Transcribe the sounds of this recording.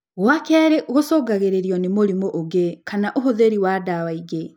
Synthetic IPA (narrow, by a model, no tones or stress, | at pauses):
ɣwakɛɾeʔɣosɔːɡaɣeɾeɾiɔnemoɾimoʔoɡekanaʔoɦoðeɾiwadawaiɣe